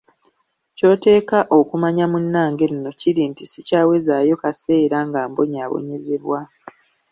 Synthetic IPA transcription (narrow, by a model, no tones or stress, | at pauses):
co̞ːte̞ːkaʔo̞kumaɲamunːaːŋɡe̞nino̞ciɾintisicaːwe̞zajo̞kase̞ːɾaŋɡaːmbo̞ɲaːβo̞̰ɲe̞ze̞βwa